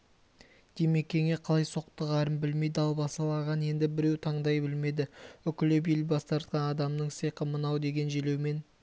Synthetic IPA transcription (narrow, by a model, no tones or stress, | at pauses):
d̪̥e̞me̞kʲʰːe̞ŋe̞qʰɑlˠɑjso̞q̚t̪əʁɑɾəmbɪlme̞jd̪ɪɑlˠbɑsɑlˠɑʁɑne̞nd̪ɪbɪɾe̞wt̪ʰɑɴd̪ɑjbɪlme̞d̪ɪʏkʲɪlɪbelbɑst̪ɑɾt̪qɑnɑd̪ɑmnəɴsejqəmənɑwd̪e̞ɡʲe̞nʒele̞wme̞n